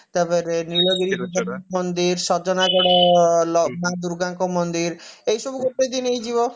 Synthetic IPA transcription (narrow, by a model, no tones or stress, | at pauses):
t̪apɔɾenilɔɡeɾipit̪aamɔnd̪iɾsɔd͡ʒɔnaɡɔɽɔlɔɡ̚mãd̪uɾɡaŋkɔmɔnd̪iɾejʃɔbuɡoʈːed̪inejd͡ʒibɔ